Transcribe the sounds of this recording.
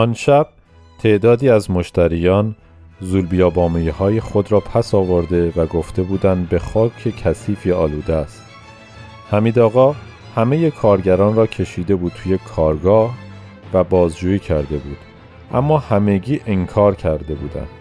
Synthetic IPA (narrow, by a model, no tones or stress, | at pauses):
ʔɒnʃæb̥̚ | t̪ʰe̞ʔd̪ɒːd̪iːæzmo̞ʃt̪æɾijɒːn | zulbijɒːbɒːmejihɒːjexo̞d̪ɾɒːpʰæsɒːvoɾd̪evæɡo̞ft̪e̞buːd̪ænd̪be̞xɒːcʰecʰæsiːfiɒːluːd̪eæst̪ | hæmiːd̪ɒːɣɒː | hæme̞je̞kʰɒːɾɟæɾɒːnrɒːcʰe̞ʃiːd̪e̞buːd̪t̪ʰuje̞kʰɒːɾɡɒːh | væbɒːzd͡ʒuːjiːcʰæɾd̪e̞buːd̪̥ | ʔæ̰mːɒːhæme̞ɟiːʔeŋkʰɒːɾcʰæɾd̪e̞bṵːd̪æ̰nd̪̥